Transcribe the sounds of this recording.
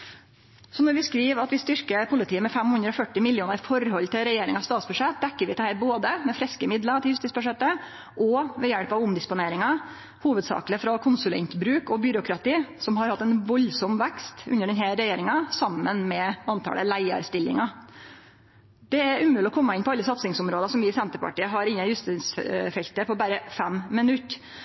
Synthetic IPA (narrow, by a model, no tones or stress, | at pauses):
sɔnɔɾʋɪskɾiːʋɑt̪ʋɪst̪ʏɾkəpʰʊlɪt̪iːəmɛfɛmhʉnd̪ɾəɔfœʈːɪmɪljuːnəɾfɔɾhɔlːt̪ɪlɾɛjeːɾɪŋɑst̪ɑːt̪sbʉʂɛt̪̚d̪ɛkːəɾʋɪt̪ɛhæːɾboːd̪əmɛfɾɛskəmɪd̪lət̪ʰɪljʉst̪iːtsbʉʂɛt̪ːə | ʔɔʋɛjɛɽpɑʋʊmd̪ɪspʊneːɾɪŋɑ | huːʋəd̪sɑ̰ːkləfɾɑkʰʊnsʉlɛ̰nt̪bɾʉːkɔbʏɾʊkʰɾɑt̪iːsɔmhɑɾhɑt̪ːɛnʋɔlsɔmʋækst̪ʉ̰nːəɖɛnɦæɾɾɛjeːɾɪŋɑsɑmːənmɛɑnt̪ʰɑ̰ːlə̰læɪə̰ɾst̪ɪlːɪ̰ŋɑ | d̪̥ɛæɾʔʉːmʉːlɪɔkʰɔmːəɪnpʰɔɑlːəsɑt̪sɪŋsʊmɾoːd̪ɑsɔmʋɪsɛnt̪əɾpɑ̰ʈiːəɦɑɾɪnːənjʉst̪ɪsfɛlt̪əpʰɔbæːɾəfæmːɪnʉt̪ː